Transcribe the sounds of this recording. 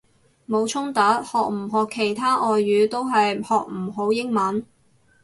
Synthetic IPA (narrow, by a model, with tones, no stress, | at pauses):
mo˨˧wt͡ʃʰʊ˥ŋt̪aː˨˥t̚hɔː˨k̚m̩˨˩ɦɔː˨kʰːe˨˩jt̪ʰaː˥ʔɔː˨jːyː˨˧t̪o˥wɦɐ˨jhɔː˨k̚m̩˨˩ɦo˨˥wjɪ˥ŋmɐ˨˥n